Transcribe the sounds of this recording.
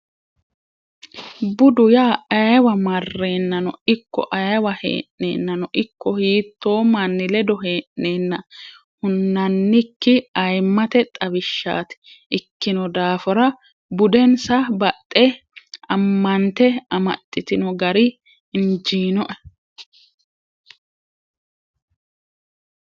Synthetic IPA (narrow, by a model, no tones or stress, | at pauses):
bʊd̪ʊjaːɐjwɐmɐrːe̞ːnːɐnɔ̰ɪkːɔ̰ʔɐjwɐhḛːʔːḛːnːɐnɔʔɪkːɔhiːt̪ːo̞ːmɐnːɪlɛd̪ɔɦe̞ːʔne̞ːnːɐ | hʊnːɐnːɪkːɪɐjmːɐt̪ɛt̪ʼɐbɪʃːa̰ːt̪ɛ̥ | ʔɪkːɪnɔd̪aːfɔɾɐ | bʊd̪ɛnsɐbɐt̪ʼːɛ | ɐmːɐnt̪ɛɐmɐ̰t̪ʼːɪt̪ɪnɔɡɐɾɪ | ɪnd͡ʒiːnɔʔɐ̥